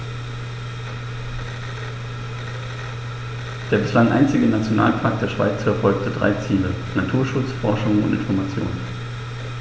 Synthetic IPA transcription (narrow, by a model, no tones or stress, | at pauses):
d̥eːɐbɪslaŋʔa̰ɪnt͡sɪɡənat͡sjona̰ːlpʰaːk̚d̥eːɐʃv̥a̰ɪt͡sfɛɐfɔlk̚tʰədʁa̰ɪt͡siːlə | natʰuːɐʃʊt͡sfɔɐʃʊŋʊ̰ntʔɪ̰nfɔɐmat͡sjo̰ːnən